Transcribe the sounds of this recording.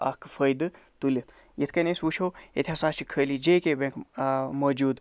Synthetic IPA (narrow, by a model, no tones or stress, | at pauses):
a̰kʰfʰəjd̪ɨ | t̪ulʲit̪ʰ | jet̪ʰkɐnesut͡ʃʰoːḛt̪ʰʲasaːt͡ʃʰikʰəlid͡ʒeːkebẽŋkmɐd͡ʒuːd̪